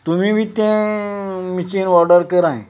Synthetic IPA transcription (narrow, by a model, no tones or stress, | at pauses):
t̪umiʋʱiːt̪ẽ | mit͡ɕinɔɾɖəɾkəɾãḛ̃